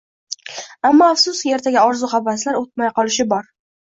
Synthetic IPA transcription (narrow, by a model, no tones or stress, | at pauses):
amːɒafsʊskʲɪe̞ɾt̪ʰaɡʲaɒɾzʊχabaslaɾot̪̚majqʰɒlɪʃɪbɒɾ